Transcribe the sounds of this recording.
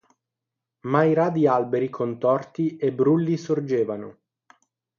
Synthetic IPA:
maiɾad̪ialbeɾikʰont̪ɔrt̪iebɾulːisord͡ʒeːvano̰

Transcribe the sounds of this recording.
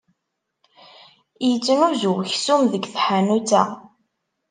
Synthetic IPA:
jət͡sːnuzʊçsumðəɡθħanut͡sːæ̰

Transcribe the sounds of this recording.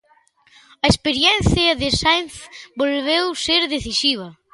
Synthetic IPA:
ɐespeɾjɛnθjɐðɪsajnθbolβewseɾðeθisiβ̞ɐ

